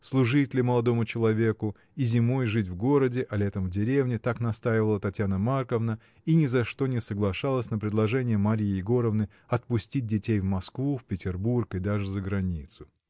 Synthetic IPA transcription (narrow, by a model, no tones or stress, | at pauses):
slˠʊʐɨtʲlʲɪməlˠɐd̪o̞mʊt͡ɕɪlˠɐvʲekʊ | izʲɪmo̞jʐɨt̬ʲvɡo̞ɾədʲɪʔɐlʲet̪əmvdʲɪɾʲevnʲɪt̪aknɐst̪ajɪvəlˠət̪ɐtʲjanəmarkəvnə | inʲɪzɐʂt̪o̞nʲɪsəɡlˠɐʂalˠəsʲnəpɾʲɪd̪lˠɐʐɛnʲɪjəmɐɾʲijɪɡo̞ɾəvnɨ | ɐt̪̚pʊsʲtʲit̚ʲdʲɪtʲejvmɐskvufʲpʲɪtʲɪrburkɨd̪aʐɨzəɡɾɐnʲit̪sʊ̥